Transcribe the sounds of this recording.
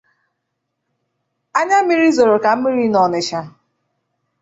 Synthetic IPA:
a˦ɲa˦mi˦ɾi˦zo˨ɾo˨ka˨m̩˦mi˦ɾi˦nɔ˨nɪ˨ʃa˨

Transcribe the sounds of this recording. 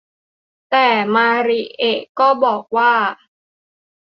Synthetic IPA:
t̪ɛː˨˩maː˧ɾi˨˩ʔe˨˩kɔː˥˩bɔː˨˩k̚waː˥˩

